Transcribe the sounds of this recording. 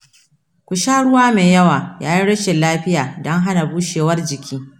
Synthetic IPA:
kʷʊ˨ʃaː˦ɽʊ˦waː˦meː˨jɐ˦waː˨jaː˦ji˦ɽɐ˦ʃɪ˨nlaː˦ɸɪ˦jaː˨dɔ˦ŋɦa˦na˨buː˦ʃeː˨wɐ˦rd͡ʒɪ˨kʲʰiː˦

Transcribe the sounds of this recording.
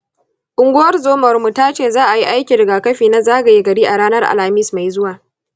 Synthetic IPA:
ʔʊ˨ŋɡʷʊ˦wɐ˦rzoː˦mɐ˨rmu˨taː˦t͡ʃeː˦˨zaː˦ʔa˨ji˦ʔa˦jkʲi˨ɽɪ˨ɡaː˨kɐ˦ɸiː˨na˦zaː˦ɡa˨ji˦ɡɐ˨ɽiː˦ʔa˨ɽaː˦nɐ˦rʔa̰˨lha˨mɪ˦sma˨jzʊ˦waː˨

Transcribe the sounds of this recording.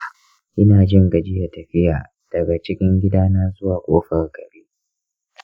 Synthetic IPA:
ʔɪ˦naː˨d͡ʒɪ˦ŋɡɐ˨d͡ʒɪ˦jɐ˨tɐ˨ɸɪ˦jaː˨ | d̥ɐ˨ɡa˨t͡ʃɪ˦kʲɪ˦ŋɡʲɪ˦daː˦naː˦zʊ˦waː˨kʷoː˦ɸɐ˨rɡ̥ɐ˨beː˦ʔ

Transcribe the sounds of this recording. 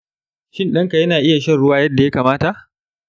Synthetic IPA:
ʃɪ˦nɗɐ˦ŋka˨jɐ˦naː˨ʔɪ˦ja˨ʃɐ˦nɽʊ˦waː˦jɐ˦dːa˨ja˦kaː˨maː˦ta˨ʔ

